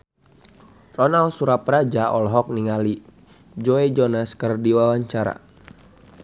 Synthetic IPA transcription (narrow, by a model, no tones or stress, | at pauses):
rɔnalsuɾaprad͡ʒaʔɔlɦɔk̚niŋali | d͡ʒɔed͡ʒɔnaskərdiwawaɲt͡ʃaɾa̰